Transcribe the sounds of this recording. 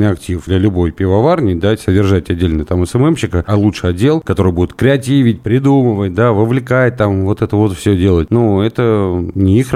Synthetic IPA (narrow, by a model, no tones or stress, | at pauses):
ɨjɐktʲifd̪lʲəlʲʊbo̞jpʲɪvɐvarnʲɪjd̪asədʲɪrʐatʲɐdʲːelʲnəjət̪aməsɛmɛmɕːɪkəɐlˠutʂɨjɐdʲːe̞lˠkɐt̪o̞ɾɨjbudʲɪt̪̚kɾʲɪɐtʲivʲɪt̚ʲpɾʲɪd̪uməvət̚ʲd̪avəvlʲɪkat̪amvo̞t̪ɛt̪əvo̞t̪fsʲɵdʲe̞lˠətʲnoɛt̪ənʲɪix